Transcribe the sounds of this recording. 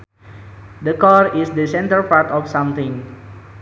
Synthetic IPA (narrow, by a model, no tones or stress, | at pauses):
d̪əkɔɹisdəsɛ̃ntəlpaɾt̪ɔfsãmt̪ĩŋ